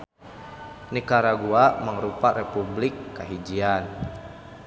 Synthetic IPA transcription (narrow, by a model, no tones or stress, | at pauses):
nikaɾaɡuamaŋɾupaɾɛpublikːaɦid͡ʒian